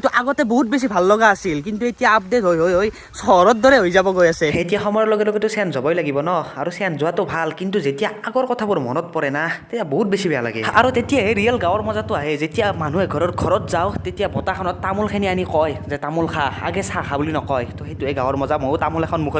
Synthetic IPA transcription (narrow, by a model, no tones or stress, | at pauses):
tuʔaɡɔtɛboɦut̚bes̬ibʱalːɔɡaːsilk̬intuetijaːp̚detɦojɦojoj | sɔɹɔt̚dɔɹɛɦojzabɔɡojasɛejtijaxɔmɔjɔlɔɡɛlɔɡɛtʊsɛnzɔbɔjlaɡibɔnɔaɹusɛnzʊatɔbʱalkintuzetijaaɡɔɹkɔtʰabʊɹmɔ̰nɔt̚pɔɹɛnatetiaboɦut̚besibɛjala̰ɡɛaɹutetijaɦeɹijalɡãwɔɹmɔzatʊaɦɛzetijaman̤uɛɡʱɔɹɔtɡʱɔɹɔtzawtetijabɔtakʰɔnɔtːamulkʰenianikɔjzɛtamulkʰaa̰ɡɛsaxʰabulinɔkɔjtɔxejtuejɡãwɔɹmɔzamojtamulɛkʰɔnmukʰɔ